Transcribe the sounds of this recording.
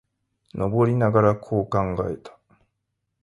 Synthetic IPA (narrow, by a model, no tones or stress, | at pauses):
no̞bo̞ɾʲinaɡaɾakʰo̞ːkãŋɡaet̪ʰḁ